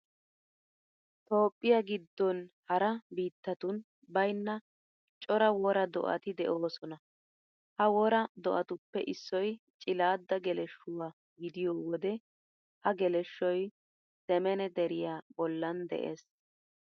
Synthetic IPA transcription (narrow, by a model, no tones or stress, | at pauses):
t̪o̞ːpʼːɪjaɡɪd̪ːɔnhɐɾɐbiːt̪ːɐt̪ʊn | bɐjnːɐ | t͡ʃʼɔɾɐwɔɾɐd̪ɔ̰ʔɐ̰t̪ɪd̪ɛʔo̞ːsɔnɐ | hɐwɔɾɐd̪ɔʔɐt̪ʊpːɛʔɪsːɔj | t͡ʃʼɪlaːd̪ːɐɡɛlɛʃːʊwaː | ɡɪd̪ɪjɔːwɔd̪ɛ | hɐɡɛlɛʃːɔj | sɛmɛnɛd̪ɛɾɪjaːbɔlːɐnd̪ɛ̰ʔḛːs